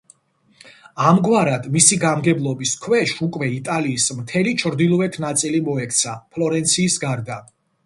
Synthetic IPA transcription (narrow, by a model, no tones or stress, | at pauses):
amɡwaɾad̪misiɡamɡɛblˠɔbiskʰwɛʃukʼwɛit̪ʼaliːsmt̪ʰɛlit͡ʃʰɾd̪ilˠɔɛt̪ʰnat̪sʼilimɔɛk̚ʰt̪sʰapʰlˠɔɾɛnt̪sʰiːsɡaɾd̪a